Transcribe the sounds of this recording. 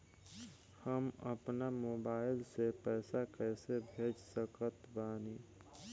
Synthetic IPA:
həmə̰pnamoːbaːɪlsepɛːsakɛːsebʱeːd͡ʒsəkət̪baːni

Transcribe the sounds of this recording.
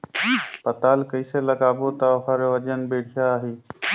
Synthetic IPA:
pət̪aːlkəiseləɡaːboːt̪aɦəɾʋəd͡ʒənbeːɽʰjaːɦeː

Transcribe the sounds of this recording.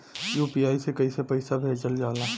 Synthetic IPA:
juːpiaːisekɐisepəɪsabʱeːd͡ʒəld͡ʒaːlaː

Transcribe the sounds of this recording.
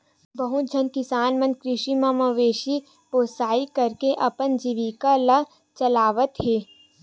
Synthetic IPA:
bɐɦud͡ʒʱənkɪsaːnmɐ̃nkɾɪʃimãmɐʋeːʃi | poːsaːikɐɾkeʔɐpənd͡ʒiʋikalɐ | t͡ʃɐlaːʋət̪ɦeː

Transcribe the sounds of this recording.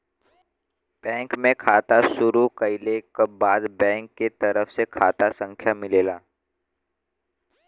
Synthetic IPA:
b̥ɛ̃ːŋkmẽkʰaːt̪asʊɾukəɪlekbaːd̪bɛ̃ːŋkːet̪ɐɾəfsekʰaːt̪asə̃ŋkʰjamɪleːlaː

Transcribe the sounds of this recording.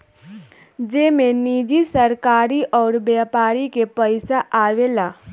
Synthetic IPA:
d͡ʒeːmẽniːd͡ʒisəɾkaːɾiʔɔːɾbaːpaːɾikepəɪsaʔaːʋelaː

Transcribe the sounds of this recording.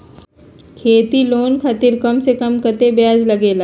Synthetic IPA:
kʰeːt̪iloːnkʰɐt̪ɪɾkɐmsekɐmkɐt̪ebjaːd͡ʒlɐɡeːlaː

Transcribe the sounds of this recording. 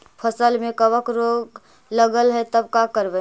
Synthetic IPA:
pʰəsəlmẽkəʋəkɾoːɡ | ləɡəlɦɛt̪əb̚kakəɾbɛ

